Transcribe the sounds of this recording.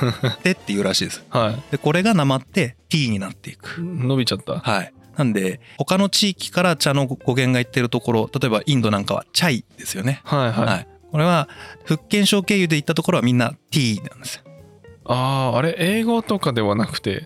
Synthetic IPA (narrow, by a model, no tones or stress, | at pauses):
t̪e̞t̪ːe̞jɯ̟ːɾaɕiːd̪e̞sɨ̥haid̪̥e̞ko̞ɾe̞ɡanamat̪ːe̞t̪ʲiːɲ̟inat̪ːe̞ikɯ̟̥no̞bʲit͡ɕat̪ːa̰hainãnd̪e̞ho̞kano̞t͡ɕiːkʲi̥kaɾat͡ɕano̞ɡ̥o̞ɡẽ̞ŋɡait̪ːe̞ɾɯ̟t̪o̞ko̞ɾo̞t̪at̪o̞e̞baʔĩnd̪o̞nãŋkaβa̰t͡ɕaid̪̥e̞sɨjo̞ne̞haihahai | ko̞ɾe̞βaɸɯ̟kːẽ̞ɰ̃ɕo̞ːke̞ːjɯ̟d̪e̞it̪ːat̪o̞ko̞ɾo̞βamʲĩnːat̪ʲiːnã̰nd̪esɨ̥ | aːaɾe̞ʔe̞ːɡo̞t̪o̞kad̪e̞βanakɯ̟̥t̪e̞̰